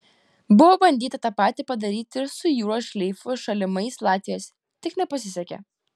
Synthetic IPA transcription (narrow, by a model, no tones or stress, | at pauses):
bʊʋoːbɐnʲd̪ʲiːt̪ɐt̪ɑpɑːt̪ʲipɐd̪ɐɾʲiːt̪ʲɪɾsʊjuːɾoːʃʲlʲɛɪfʊʃɐlʲɪmɐɪslˠɑːt̪ʲʋʲɪjoːsʲ | t̪ʲɪknʲɛpɐsʲɪsʲɛkʲɛ̰